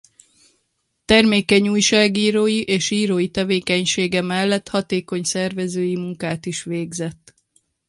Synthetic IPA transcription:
t̪ɛrmeːkɛɲuːjʃaːɡiːɾoːjiʔeːʃiːɾoːjit̪ɛveːkɛɲʃeːɡɛmɛlːɛt̪hɒt̪eːko̞ɲsɛrvɛzøːjimuŋkaːt̪iʃʋeːɡzɛt̪ː

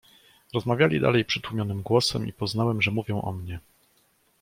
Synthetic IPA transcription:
ɾɔzmavʲjalʲḭd̪a̰lɛjpʂɘt̪wumʲjɔnɘmɡwɔsɛmʔḭpɔznawɛmʐɛmuvʲjɔ̃w̃ʔɔ̰mɲɛ

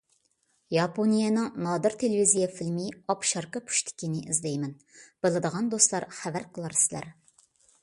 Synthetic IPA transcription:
jɑponijɛnɨŋnɑd̪ɨɾt̪ʰelevizijɛfilmɪɑpʃɑɾqəpʰu̥ʃt̪ʰɪ̥kʲinɪʔizlɛjmɛn | b̥ɨlˠɨd̪əʁɑnd̪oslˠɑɾχævæɾqʰəlˠɑɾsɪlæ̰ɾ

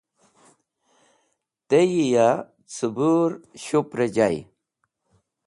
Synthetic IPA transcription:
t̪ejija | t͡sʰubuɾɕupɾed͡ʑaj

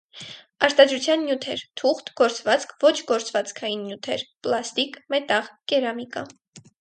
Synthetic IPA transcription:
ɑɾt̪ɑd̪ɾut͡sʰjɑnːjut̪ʰɛɾt̪ʰuχt̪ɡɔɾt͡svɑt͡skʰvɔt͡ʃʰɡɔɾt͡svɑt͡skʰɑjinːjut̪ʰɛɾplɑst̪ikmɛt̪ɑʁkɛɾɑmikɑ

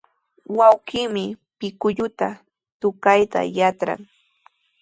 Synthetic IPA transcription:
wawkɪːmɪpɪkʊʎʊt̪a | t̪ʊkajt̪a̰jat͡sɾa̰ŋ

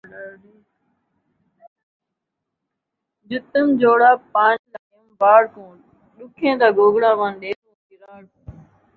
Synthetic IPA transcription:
d͡ʒʊt̪əmd͡ʒoːɽaːpaːnlaːəmbaːɽkõːɳ | ɗʊkʰẽːt̪aːɡoːɡɽaːʋãːnɗeːtõːkɪɾaːɽkũː

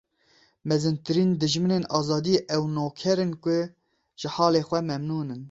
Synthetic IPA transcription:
mɛzɨnt̪ɨɾiːnd̪ɨʒmɨneːnɑːzɑːd̪iʔɛwnoːkʰɛɾɨnkʷʊ | ʒ̥ɪħɑːleːxʷɛmɛmnuːnɨn

